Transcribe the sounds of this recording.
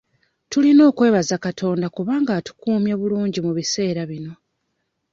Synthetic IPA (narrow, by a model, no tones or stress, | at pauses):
tulino̞ːkwe̞ːβazakatʰo̞ːndakuβaːŋɡatu̥kuːmjeβuluːɲɟimuβise̞ːɾaβino̞